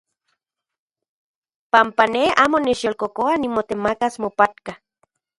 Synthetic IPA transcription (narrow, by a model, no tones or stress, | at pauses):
pampaneaːmonet͡ʃjolkokoanimot̪emakasmopat̪ka